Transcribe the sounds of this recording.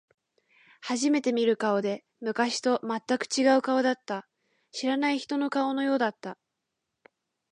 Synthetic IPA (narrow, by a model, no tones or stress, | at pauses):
haʑime̞t̪e̞mʲiɾɯ̟kao̞d̪e̞ | mɯ̟kaɕi̥t̪o̞mat̪ːakɯ̟̥t͡ɕiɡaɯ̟kao̞d̪at̪ːa | ɕiɾanaiçi̥t̪o̞no̞kao̞no̞jo̞ːd̪at̪ːa